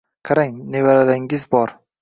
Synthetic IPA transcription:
qʰaɾaŋnevaɾalɪŋɪzbɒɾ

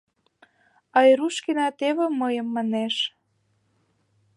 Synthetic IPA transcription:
ɑjɾuʃkenɑt̪eβĕməjə̆mːɑneʃ

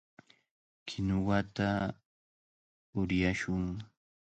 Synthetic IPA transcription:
kʰɪnʊwat̪a | ʊɾjaʃʊŋ

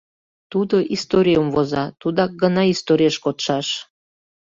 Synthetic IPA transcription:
t̪ud̪oʔist̪oɾʲijumvozɑt̪ud̪ɑk̚ɡənɑist̪oɾʲieʃkot̪ʃɑʃ

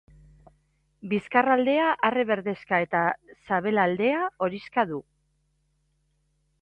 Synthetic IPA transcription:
biskarald̪e̞aʔareβe̞ɾðe̞skae̞t̪asaβe̞lald̪e̞ao̞ɾiskaðu

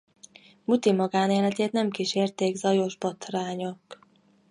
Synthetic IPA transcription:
mut̪imɒɡaːneːlɛt̪eːt̪nɛmkiʃeːrt̪eːɡzɒjo̞ʒbot̪raːɲok

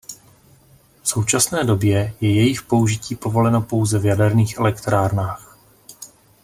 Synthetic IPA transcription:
fso̞wt͡ʃasnɛːdo̞bjɛjɛjɛjɪxpo̞uʒɪciːpo̞vo̞lɛnopo̞wzɛvjadɛɾniːxʔɛlɛkt̪ɾaːɾnaːx

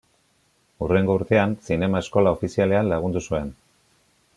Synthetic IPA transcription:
ure̞ŋɡo̞uɾt̪e̞ansine̞mae̞sko̞lao̞fisiale̞anlaɣ̞und̪usue̞n

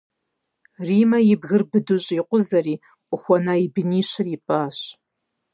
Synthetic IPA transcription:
riːmɐjɪbɣɨrbɨduɕʼiqʷʊzɐriː | ʊxʷɔnaibɨniːɕɪripʼaːɕ

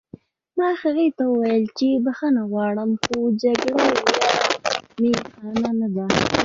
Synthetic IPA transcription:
mɑxaɣet̪awəwajəlt͡ʃebaxanaɣwɑɽəmxod͡ʒaɡɽewja | mexɑnanad̪a

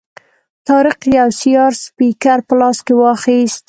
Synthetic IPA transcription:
t̪ɑɾɪxjawsijɑɾspikaɾpəlɑskewɑxist̪

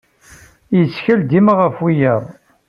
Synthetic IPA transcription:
jət͡sːçəld̪imʁəfwijəðˤ

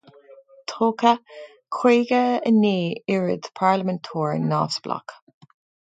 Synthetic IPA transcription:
t̪ʰoːkə | kʰweːɡəəneːɪɹə̰d̪pʰaɹləmɛntʰuːɹna̰ːvsb̥la̰k

